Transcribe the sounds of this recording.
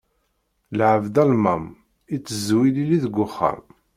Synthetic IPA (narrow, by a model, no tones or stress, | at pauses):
lʕəvd̪ælmæm | it͡sːəzwililiðəɡʷːʊχːə̰m